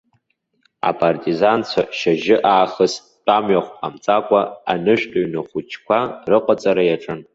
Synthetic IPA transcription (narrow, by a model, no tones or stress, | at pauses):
a̰pʼartʼizant͡sʷʰaʃaʒɪʔaːχəs | tʼamɥaχʷpʼamt͡sʼakʷʼaanɨʃᶣtʼoɥnɨχʷut͡ʃʰkʷʰarɨqʼat͡sʼaɾajaʈ͡ʂʼɨn